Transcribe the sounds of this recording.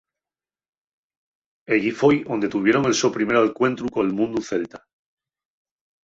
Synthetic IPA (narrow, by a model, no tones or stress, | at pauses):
eʝifojo̞nd̪e̞t̪uβ̞je̞ɾo̞ŋe̞lso̞pɾime̞ɾoalkwe̞nt̪ɾukolmũnd̪uθe̞lt̪a